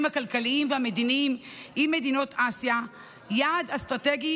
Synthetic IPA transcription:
mhakalkaliimvehame̞dinimimːe̞dino̞tʰasja | jaːdhastʁateɡi

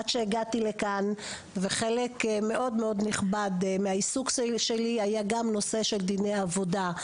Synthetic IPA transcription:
adʃeːɡat̪ilekan | veχelekme̞ʔo̞dmeo̞d̪niχbad̪meaisukʃeliajaɡamno̞se̞ʃeld̪inejavo̞da

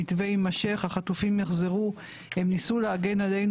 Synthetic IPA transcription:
itve̞jmaʃe̞χhaχatufimjeχzeʁu | he̞mnisuleaɡe̞nale̞jn

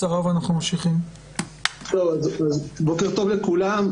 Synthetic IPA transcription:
aʁovanaχnumamʃiχim | t̪owazazbokeʁt̪o̞vlekulam

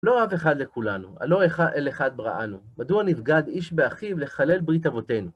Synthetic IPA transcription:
lo̞ave̞χad̪lekulanua̰lo̞eχaʔeleχad̪̚bʁa̰ʔa̰numad̪uanifɡad̪iʃbeaχivleχale̞lbʁitavo̞te̞jnu

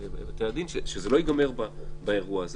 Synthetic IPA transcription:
at̪ead̪inʃeʃezelo̞jiɡame̞ʁbabaeʁuaːz

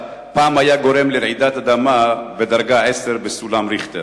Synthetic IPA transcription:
paːmhajaɡo̞ɾe̞mleɾʕid̪at̪ad̪amabed̪aʁɡaʕese̞ɾbesulamɾiχt̪e

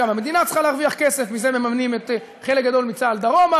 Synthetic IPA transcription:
amame̞d̪inat͡sχaleaʁviaχkese̞fmizememamnimet̪ | χelek̚ɡad̪o̞lmit͡saːld̪aʁo̞ma

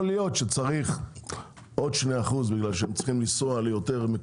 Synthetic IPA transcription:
lijo̞tʃet͡saʁiχ | ʔo̞dʃnejaχuzbiɡlalʃehemt͡si̥χimlisoalejoteʁme

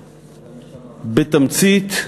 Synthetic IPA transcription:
bɪt̪amt͡siːt̪

